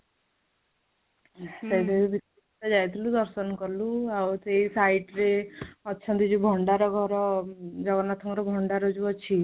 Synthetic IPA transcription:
seid̪eibʱit̪it̪ad͡ʒajt̪ʰilud̪ɔɾsɔnɔkɔɾluawseisajʈɾeɔtːʃʰɔnt̪id͡ʒubʱɔɳɖaɾɔɡʱɔɾɔd͡ʒɔɡɔnat̪ʰɔŋkɔɾɔbʱɔɳɖaɾɔd͡ʒuɔt͡ʃʰi

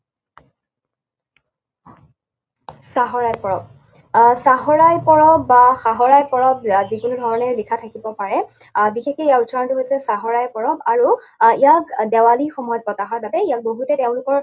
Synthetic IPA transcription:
saɦɔɹajpɔɹɔb̚ | saɦɔɹajpɔɹɔbːaxaɦɔɹajpɔɹɔb̚zikʊnudʱɔɹɔnɛlikʰatʰakibɔpaɹɛ | bixekɛijausɔɹɔntuɦojsɛsaɦɔɹajpɔɹɔbaɹu | ijakdɛwalixɔmɔjɔt̚pɔtaxɔbabɛijak̚boɦutɛteʊ̃lʊkɔɹ

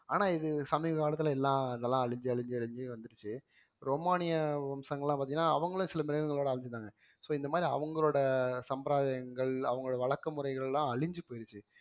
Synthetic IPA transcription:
aːnaːɪðɯsɐmɪɐkaːlɐt̪ːɪlɛlːãːɐðɛlːãːɐɭɪɲd͡ʒɯɐɭɪɲd͡ʒɯɐɭɪɲd͡ʒɯʋɐnd̪ɯɾɯt͡ʃːɯ | ɾoːmaːnɪjɐʋɐmsɐŋɡɐɭlːãːpaɾt̪iŋɡɐnaːɐʋɐŋɡɐɭʊ̃sɪlɐmɪɾɐɣɐŋɡɐɭoːɽɐːɭɪɲd͡ʒɪɾnaːŋɡɐ | soːɪnd̪ɐmaːðɾiɐ̰ʋɐŋɡɐɭoːɽɐsɐmbɐɾaːðɐjɐŋɡɐɭɐ̰ʋɐŋɡɐoːɽɐʋɐɭɐkːɐmʊɾɐɪɣɐɭlːãːɐɭɪɲd͡ʒɯpoːjɪɾɯt͡ʃːɯ

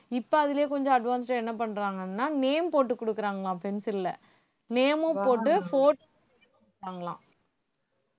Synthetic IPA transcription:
ɪpːɐɐðɪlɐjeːkɔɲd͡ʒɔ̃ɐɖʋaːnsʈɐɛnːɐpɐɳːɾaːŋɡɐnːaːneːmpoːʈːɯkːɔɽɯkːɪɾaːŋɡɐlãːpɛnsɪlːɐ̰ | neːmõːpoːʈːɯfoːʈ | k | ɾaːŋɡɐlã̰ː

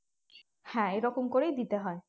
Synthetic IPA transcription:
hɛ̃eɾɔkumkoɾejd̪it̪eɦɔe

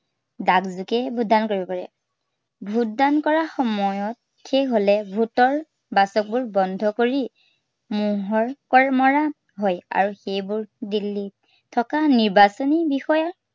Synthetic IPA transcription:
daɡzukɛbʱuddankoɹibɔpaɹɛ̰ | bʱut̚dankɔɹaxɔmɔjɔt̚ | xeɦolɛbʱutɔɹ | basɔk̚bʊɹbɔndʱɔkoɹi | muɦɔɹkɔɹmɔɹa | ɦoja̰ɹuxejbʊɹdilːi | tʰɔkaniɹbasɔnibixɔja

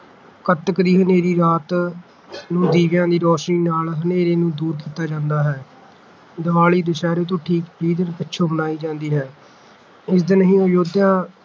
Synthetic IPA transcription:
kət̪əkd̪iːɦəneːɾiːɾaːt̪ | nũːd̪iːʋjãːd̪iːɾɔːʃniːnaːlɦəneːɾeːnũːd̪uːɾk̬iːt̪aːd͡ʒãːnd̪aːɦɛː | d̪əʋaːliːd̪əʃɛːɾeːt̪̬õːʈʰiːkpɾiːd̪ɪnpɪtːt͡ʃʰõːbənaːiːd͡ʒãːnd̪iːɦɛː | ɪs̬d̪ɪnɦĩːoːjoːd̪jãː

